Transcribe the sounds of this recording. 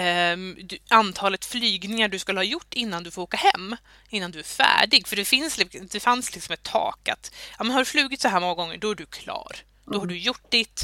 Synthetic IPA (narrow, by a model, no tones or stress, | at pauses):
d̪ant̪ʰɑːlət̪flyːɡnɪŋaɖɵskɵlːəhɑːjʊʈːɪnːand̪ɵfoːɾoːkahɛ̰mː | ɪnːand̪ɵæɾfæ̰ːɖɪɡfœɖɛfɪnslɪd̪ɛfanslɪksɔmɛt̪ʰːɑ̰ːka̰t̪jɑːmɛnhaɖɵflʉ̟ːɡɪt̪sɔɦæːɾmɔŋːaɡɔŋːə̰ɖɔæɖɵkʰlɑ̰ːɾ | d̪̥ɔhaɖɵjʊʈːd̪ɪt̪